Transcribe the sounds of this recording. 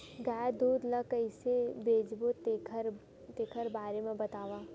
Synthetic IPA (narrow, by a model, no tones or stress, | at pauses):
ɡaːd̪uːd̪lɐkəɪsebeːd͡ʒbot̪ʰɾ | t̪eːkʰəɾbaːɾemẽbɐt̪aːʋaː